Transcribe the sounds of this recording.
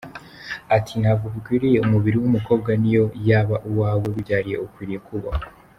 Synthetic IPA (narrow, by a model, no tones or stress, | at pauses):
atʰinavukuɡwiːɾije̞umuβiɾiwumuko̞ːbɡanijo̞jaːβaʔuwaːweβuɟaːɾije̞okwiːɾije̞kuβa